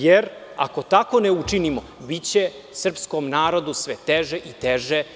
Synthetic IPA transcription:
jeɾ | a̰ko̞t̪ako̞neut͡ʂinimo | bit͡ɕe | sr̩pskomnaːɾo̞d̪usʋet̪eʒeʔit̪eʒe

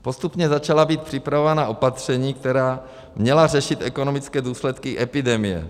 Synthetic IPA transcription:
po̞st̪upɲɛzat͡ʃalabiːt̪̚pr̥ɪpɾavovanaʔo̞pat̪r̝̥ɛɲiːk̚t̪ɛɾaː | mɲɛlarɛʃɪt̪ʔɛkonomɪt͡skɛːduːslɛt̪kiʔɛpɪdɛmɪjɛ̰

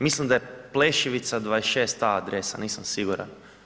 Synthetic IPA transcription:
mislimd̪ajepleːʃiʋit̪sad̪ʋaːesʃeːst̪aad̪ɾesaniːsamsiɡuɾa̰n

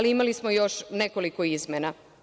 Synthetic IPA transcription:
liimalismojo̞ʃneko̞likoizmena

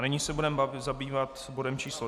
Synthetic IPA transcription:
nɪɲisɛbudɛmaɪzabiːvat̪bodɛmt͡ʃiːslo

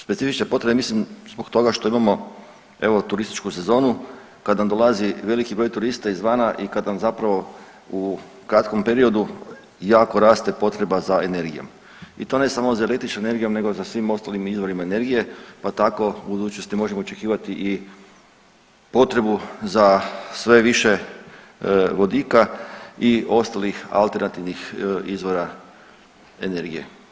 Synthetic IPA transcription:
spesifit͡ʃne̞po̞t̪ɾebemislimzbokt̪o̞ɡaʃt̪o̞imamo̞ | e̞̰ʋo̞t̪uɾist̪i̥t͡ʃkuse̞zo̞ːnu | kad̪namd̪o̞lˠaziʋe̞likibɾo̞jt̪uɾist̪aizʋaːnaʔikad̪namzapɾaʋo̞ | u | kɾat̪ko̞mpe̞ɾio̞d̪u | jaːko̞ɾaːst̪e̞po̞t̪ɾe̞bazae̞ne̞ɾɡḭjo̞̰m | it̪o̞ːne̞samozaelekt̪it͡ʃoene̞ɾɡijo̞mne̞ɡozasʋimo̞st̪alimizʋo̞ɾimaene̞ɾɡije̞pat̪ako̞bud̪uːt͡ʃnost̪imo̞ʒe̞moot͡ʃekiːʋat̪iʔi | po̞t̪ɾe̞buzasʋe̞ʋiʃe̞ | ʋo̞d̪iːkaio̞st̪alixa̰lˠt̪e̞ɾnat̪iʋnixizʋo̞ɾa | ene̞ɾɡijḛ

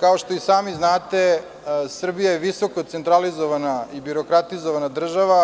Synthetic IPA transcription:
kao̞ʃt̪o̞isaːmiznaːt̪e̞ | sr̩bijajeʋiso̞kot̪sent̪ɾalizo̞ʋanaibiɾo̞kɾat̪izoʋanad̪r̩ʒaʋa

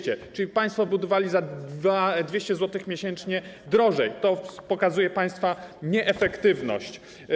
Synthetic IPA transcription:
t͡ɕɛt͡ʂɘlʲipaj̃st̪fɔbud̪ɔvalʲizavad̪vʲeɕt͡ɕɛzwɔt̪ɘxmʲjeɕɛnt͡ʂɲɛ | d̪ɾɔʐɛjt̪ɔpɔkazujɛpaj̃st̪faɲɛʔɛfɛkt̪ɘvnɔ̰ɕt͡ɕ

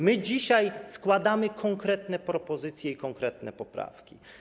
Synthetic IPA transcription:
mɘd͡ʑiɕajskwad̪amɘkʰɔŋkɾɛt̪nɛpɾɔpɔzɘt̪sʲjɛikɔŋkɾɛt̪nɛpɔpɾa̰fkʲi

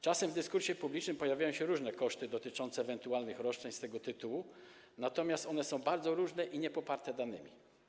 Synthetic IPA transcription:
t͡ʂasɛmvd̪ɘskuɾɕɛpublʲit͡ʂnɘmpɔjavʲjajɔ̃ɕɛɾuʐnɛkɔʂt̪ɘd̪ɔt̪ɘt͡ʂɔnt̪sɛːvɛnt̪ualnɘxɾɔʂt͡ʂɛɲst̪ɛɡɔt̪ɘt̪uwu | nat̪ɔmʲjast̪ɔnɛsɔ̃w̃baɾd̪zɔɾuʐnɛʔiɲɛpɔpaɾt̪ɛd̪anɘ̰mʲḭ

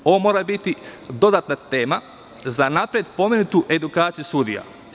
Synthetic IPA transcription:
o̞ʋomo̞ːɾabit̪id̪o̞d̪at̪nat̪e̞ːma | zanapɾijed̪̚po̞mʲe̞nut̪uʔe̞d̪ukaːt̪sijust̪ud̪ija̰

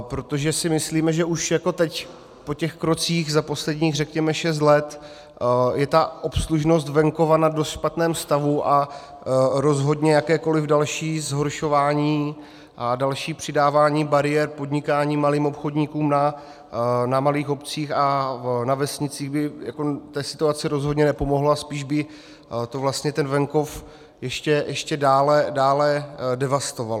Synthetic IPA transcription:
pɾo̞t̪o̞ʒɛsɪmɪsliːmɛʒɛʔuʃjako̞t̪ɛc | po̞cɛxkɾo̞t͡siːxzapo̞slɛdɲiːɣrɛkɲɛmɛʃɛs̬t̪lɛt̪ | jɛt̪aʔo̞psluʒno̞st̪vɛŋko̞vanadost̪ʃpat̪nɛːmst̪avuʔa | ɾo̞zɦo̞dɲɛjakɛːko̞lɪvdalʃiːzɦoɾʃo̞vaːɲiː | ʔadalʃiːpr̝̥ɪdaːvaːɲiːbaɾɪjɛɾpo̞dɲɪkaːɲiːmaliːmo̞pxo̞dɲikuːmna | namaliːxo̞pt͡siːxanavɛsɲɪt͡siːɣbɪjako̞t̪ɛːsɪ̥t̪uat͡sɪɾo̞zɦodɲɛnɛpo̞mo̞ɦloaspiːʒbɪ | t̪ovlast̪ɲɛt̪ɛnvɛŋko̞f | jɛʃcɛjʔɛʃcɛdaːlɛdaːlɛdɛvast̪o̞val

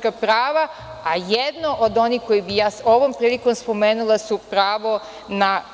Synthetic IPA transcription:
kapɾaːʋaajed̪noʔod̪o̞niːko̞jibijaːso̞ʋo̞mpɾiːliko̞mspo̞meːnulesupɾaːʋo̞ | na

